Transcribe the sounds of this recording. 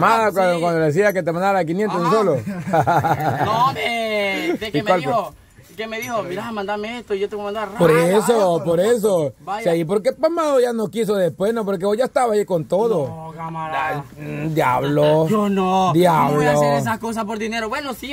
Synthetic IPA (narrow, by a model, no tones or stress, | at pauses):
maðakwkwand̪oes̬iaket̪̬emãnd̪aɾaek̬injent̪osis̬oloaoe | ekiwalo | kemeðihomiɾamãnd̪ameest̪oiʝot̪eβomãnd̪oarapoɾes̬opoɾes̬oiaip̬oɾk̬epamaðoʝanokis̬o̞ðespwesnop̬o̞ɾk̬eoʝaest̪aβaiko̞nt̪oðo | d̪jaβloonod̪jaβloosakos̬aspoɾðineɾoβwenosi